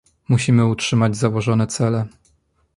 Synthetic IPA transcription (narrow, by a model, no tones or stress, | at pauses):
muɕimɘutʂɘmad͡ʑzawɔʐɔnɛt̪sɛlɛ